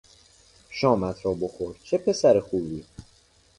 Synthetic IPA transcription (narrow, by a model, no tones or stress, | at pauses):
ʃɒːmæt̪ʰɾɒːbo̞xo̞ɾt͡ʃʰe̞pʰe̞sæɾexuːbiː